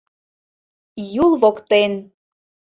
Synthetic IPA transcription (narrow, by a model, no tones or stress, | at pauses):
julˠβokt̪en